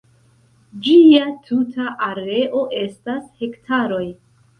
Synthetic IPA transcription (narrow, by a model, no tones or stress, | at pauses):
d͡ʒiatʰutʰaʔaɾe̞ʔo̞ʔe̞stashe̞ktʰaɾo̞j